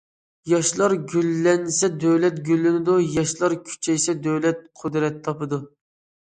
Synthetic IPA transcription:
jɑʃlˠɑɾɡʲylːɛnsɛd̪øwlɛt̪̚ɡʲylːɪnɪd̪ujɑʃlˠɑɾkʲʰy̥t͡ʃʰɛjsɛd̪øwlɛt̪̚qʰod̪ɾɛt̪ʰːɑpɨd̪u

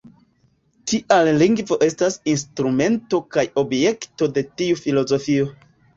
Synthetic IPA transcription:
tiʔalliŋɡvo̞ʔe̞stasinstɾume̞nto̞kajo̞bje̞kto̞de̞tiufilo̞zo̞fio̞

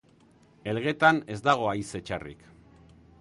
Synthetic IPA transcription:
e̞lɣe̞t̪ane̞zd̪aɣ̞o̞ajse̞t͡ʃarḭk

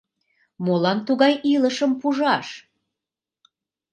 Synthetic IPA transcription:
molɑnt̪uɣɑjʔiləʃəmpuʒɑʃ

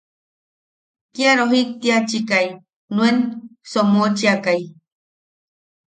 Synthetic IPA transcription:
kiaɾoɦik̚t̪iat͡ʃikai | nuensomot͡ʃiakaj

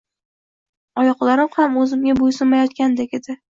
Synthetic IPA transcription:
ɒjɒqlˠaɾɪmhamɵzɪmɡʲabojsɪnmajɒt̪̚kʲand̪ekʲed̪ɪ

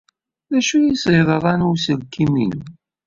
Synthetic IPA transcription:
ðæʃujisɪðˤəɾˤɑnusəlkʰːiminəm

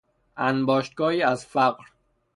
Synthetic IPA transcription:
ʔænbɒːʃt̪̚ɡɒːiːæzfæɢɾ

